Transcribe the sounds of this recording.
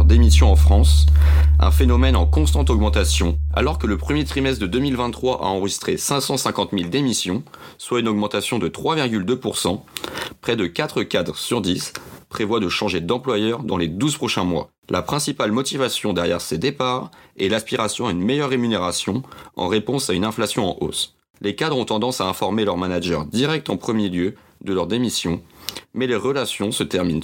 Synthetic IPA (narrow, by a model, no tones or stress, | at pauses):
ʁd̪emisjɔ̃ɑ̃fχɑ̃s | ɛ̰̃fenɔmɛnɑ̃kɔ̃st̪ɑ̃t̪ɔɡmɑ̃t̪asjɔ̃a̰lɔʁkələpχəmjet̪χimɛst̪d̪əd̪ømilvɛ̃nt̪ːχwaʔa̰ɑ̃ʁəʒist̪χesɛ̃sɑ̃sɛ̃kɑ̃t̪mild̪emisjɔ̃swaynɔɡmɑ̃t̪asjɔ̃d̪ət̪χwaviʁɡʲyld̪øpuʁsɑ̃pχɛd̪əkat̪χəkʲad̪ʁəsyʁd̪ispχevwad̪əʃɑ̃ʒed̪ɑ̃plwajœʁd̪ɑ̃led̪uzpχɔʃɛ̃mwa̰ | lʔapχɛ̃sipalmɔt̪ivasjɔ̃d̪ɛʁjɛʁsed̪epaʁɛlaspiʁasjɔ̃aynmejœʁːemyneʁasjɔ̃ɑ̰̃ʁepɔ̃saynɛ̃flasjɔ̃ɑ̃ʔo̰s | lekad̪ʁɔ̃t̪ɑ̃d̪ɑ̃saɛ̃fɔʁmelœʁmanaʒœʁd̪iʁɛk̚t̪ɑ̃pχəmjeljø | d̪əlœʁd̪emisjɔ̃mɛleʁəlasjɔ̃sət̪ɛʁmin